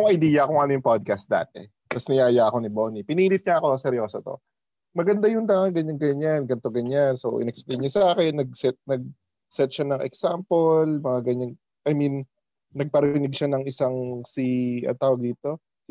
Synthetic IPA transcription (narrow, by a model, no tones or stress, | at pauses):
jʊŋɐjd̪iːjɐkoŋʔɐnojʊŋpod̪̚kɐst̪̚d̪a̰ːt̪ɛ̰ | t̪ɐsnɐjaːjaɐko̞nɪbonipɪniːlɪf̚ɲɐɐkosɛɾjosɐt̪o̰ | mɐɡɐnd̪ajʊnd̪aŋɐŋɡɐɲaŋɡɐɲanɡɐnt̪o̞ɡɐɲanso̰ʔɪ̰nɛk̚splejɲɲɐsɐʔaːkɛnːɐɡ̚sɛt̪̚nɐɡ̚ | sɛt̪̚ʃanɐŋʔɛ̰ksampolmɐŋaɡɐɲan | ʔɐminː | ɐɡ̚pɐɾɪnɪɡ̚ʃanɐŋɪsaŋsiʔɐ̰t̪ːaːwɐɡ̚d̪iːt̪o̞